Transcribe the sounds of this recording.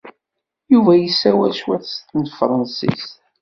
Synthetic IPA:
juvæjəsːæwæ̰ʃwæθst̪ənfɾˤɑnsḭst̪

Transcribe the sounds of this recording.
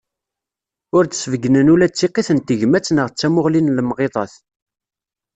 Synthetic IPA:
ʊɾt͡ssvəɡnənulæt͡sːiqeθənt̪əʝmæt͡sːnəʁt͡sːæmʊʁlinlmʁeðˤɑθ

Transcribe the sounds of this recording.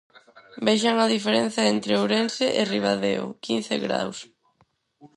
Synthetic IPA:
beʃaŋaðifeɾen̟θjaent̪ɾeoɾenseʔɪriβaðeʊ̰kin̟θḛɣɾa̰ws

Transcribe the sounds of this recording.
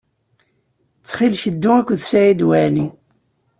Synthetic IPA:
t͡sːχilʃəd̪ːʊækʷːðsæʕid̪wæʕni

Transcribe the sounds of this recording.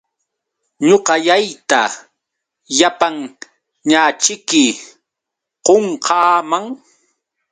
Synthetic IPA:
ɲoqɑjajt̪a | japaŋ | ɲaːt͡ʃɪkɪ | qoɴqʰɑːmaŋ

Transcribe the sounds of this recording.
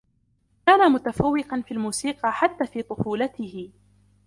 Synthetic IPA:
kaːnamʊt̪afawːɪqɑnfiːlmuːsiːqɑħat̪ːaːfiːt̪ˤʊfuːlat̪ɪhɪ

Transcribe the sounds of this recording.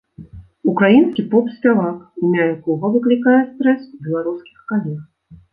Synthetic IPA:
ukɾajinskʲipɔpsʲpʲavakimʲajakɔɣɐvɨklʲikajɛst̪ɾɛsbʲɛlˠaɾuskʲixkalʲɛx

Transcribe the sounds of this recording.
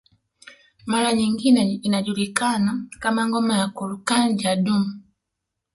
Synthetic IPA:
maɾaɲiŋɡinɛinaʄulikanakamaŋɡɔmajakulukaɲd͡ʒaɗumu

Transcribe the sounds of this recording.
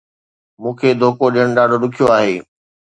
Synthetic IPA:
mũːkʰeːd̪ʱoːkoɗiəɽ̃ɗaːɖʱoɗʊkʰijoaːɦeː

